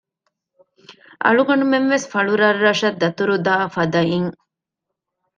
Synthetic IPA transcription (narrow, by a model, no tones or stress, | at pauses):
ʔɐ̰ɭuɡɐɳumenʋesfɐɭuɾɐrːɐʂɐd̪ːɐt̪uɾud̪aːfɐd̪ɐiŋ